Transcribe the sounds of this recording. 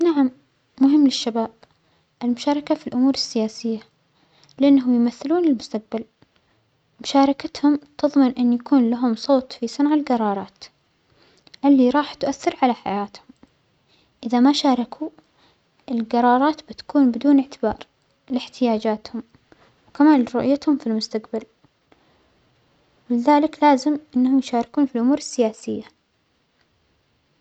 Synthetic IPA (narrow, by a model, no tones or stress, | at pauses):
naʕamː | ʊɦɪmːlɪʃːabaːb̚ | ʔɪlmʊʃaːɾˤɑkafilʔʊmuːɾɪsːɪjaːsɪjːa | lʔɪnːɦʊmjmaθːɪluːnɪlmʊst̪aq̚bal | mʊʃaːɾˤɑkat̪hʊmt̪ɨðˤmɪnʔɪnːjakuːnlaɦʊmsˤoːt̪fisˤɪnʕalɡɑɾˤɑːɾˤɑːt̪ | ʔɪlːiɾˤɑːħt̪ʔaθːɪɾʕalaħa̰jaːt̪hʊm | ʔɪðamaʃaːɾˤɑkʰu | ʔɪlɡɑɾˤɑːɾˤɑːt̪bɪt̪ḁkuːnbɪd̪uːnɪʕt̪ɪbɑ̰ːɾˤ | lɪħt̪ɪjaːd͡ʒaːt̪hʊm | wkamaːnɾʊʔɪjːat̪hʊmfilmʊst̪aqbal | wɪlɪðaːlɪklaːzɪmʔɪnːhʊmjʃaːɾɪkuːnfilʔʊmuːɾɪsːɪjaːsɪjːa